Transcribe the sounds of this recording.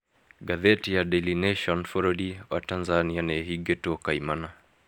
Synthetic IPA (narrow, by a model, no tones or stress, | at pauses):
ɡaðɛtijadɛlinɛʃɔnfɔɾɔdiwa̰tanzanianɛhiɡɛtɔkaimana